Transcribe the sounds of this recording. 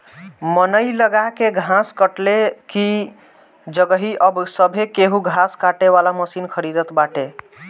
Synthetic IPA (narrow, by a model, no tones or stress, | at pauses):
mənəjləɡakeɡʱãskəʈleki | d͡ʒəɡəɦiʔəbsəbʱekeɦuɡʱaskaʈeʋalaməsinkʰəɾid̪ət̪baʈe